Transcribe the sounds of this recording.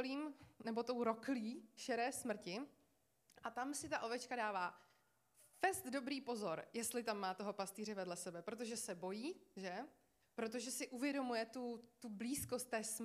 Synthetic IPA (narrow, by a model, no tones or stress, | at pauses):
liːmnɛbo̞t̪o̞wɾo̞kliːʃɛɾɛːsmr̩cɪ | ʔat̪amsɪt̪aʔo̞vɛt͡ʃkadaːvaː | fɛst̪do̞bɾiːpo̞zo̞ɾjɛst̪lɪt̪amːaːt̪oɦo̞past̪iːɾ̝ɛvɛdlɛsɛbɛpɾo̞t̪oʒɛsɛbo̞jiːʒɛ | pɾo̞t̪̬o̞ʒɛsɪʔuvjɛdo̞mujɛt̪ut̪ubliːsko̞st̪ːɛːsm